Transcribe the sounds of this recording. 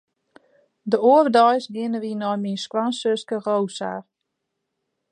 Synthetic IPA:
dəoərdɔjsɡɪnəʋinɔjminskwansøskərowsa̰ːr

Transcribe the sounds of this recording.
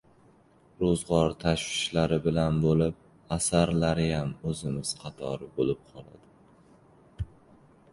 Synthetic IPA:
ɾozʁɒɾt̪ʰaʃwɪʃlaɾɪbɪlanbolɪp̚ | asaɾlaɾɪjamɵzɪmɪz̥qʰɑt̪ʰɒ̰ɾɪbolɪp̚qʰɒlˠa̰d̪̥ɪ

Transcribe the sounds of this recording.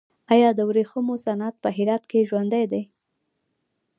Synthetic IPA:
ɑjɑd̪əwɾexəmosanat̪̚pəɦɪɾɑt̪keʒwand̪ajd̪aj

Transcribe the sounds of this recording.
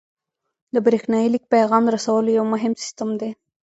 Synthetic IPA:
d̪əbɾexnɑjilik̚pajɣɑmd̪əɾasawəlojawmʊɦɪmsɪ̥st̪əmd̪e

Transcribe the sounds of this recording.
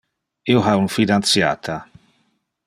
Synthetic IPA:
ioɦaunfid̪ant̪sja̰ːt̪ʰa

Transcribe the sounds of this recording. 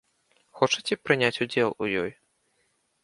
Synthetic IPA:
xɔt͡ʂɐt͡sʲɛpɾɨnʲat͡sʲud͡zʲɛlˠujɔ̰j

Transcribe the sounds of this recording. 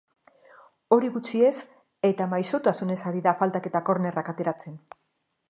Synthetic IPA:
o̞ɾiɣut͡ʃie̞s | e̞t̪amajso̞t̪asune̞saɾiðafalt̪ake̞t̪ako̞ɾne̞rakat̪e̞ɾat͡se̞n

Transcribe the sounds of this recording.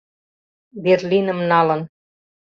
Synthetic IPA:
berlʲinə̆mnɑlə̆n

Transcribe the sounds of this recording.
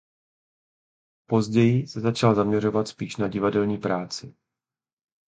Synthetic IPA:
po̞zɟɛjɪsɛzat͡ʃalzamɲɛr̝o̞vat̪spiːʃnaɟɪvadɛlɲiːpɾaːt͡sɪ

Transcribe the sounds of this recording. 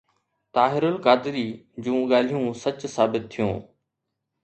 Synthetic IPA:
t̪aːɦɪɾʊlkaːd̪ɪɾiː | d͡ʑũːɠaːl̤ijũːsɐt͡ɕsaːbɪt̪ʰːijṵ̃ː

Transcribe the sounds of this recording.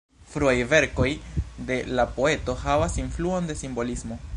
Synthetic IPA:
fɾuajve̞ɾko̞jde̞lapo̞e̞to̞havasinfluo̞nde̞simbo̞lismo̞

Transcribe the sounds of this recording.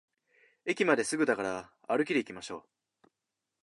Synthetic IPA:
e̞kʲimad̪e̞sɨɡɯ̟d̪akaɾaː | ɾɯ̟kʲid̪e̞ikʲimaɕo̞̰ː

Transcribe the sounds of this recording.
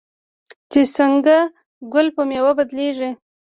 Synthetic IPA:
t͡ʃesəŋɡa | ɡʊlpəmewabad̪leʐi

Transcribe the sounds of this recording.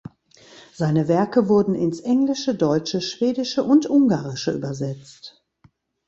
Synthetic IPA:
z̥aɪnəvɛɐkəvʊɐdn̩ɪnsʔɛŋlɪʃədɔʏt͡ʃəʃv̥eːdɪʃəʔʊntʔʊŋɡaːʁɪʃəʔy̰ːbɐzɛt͡st

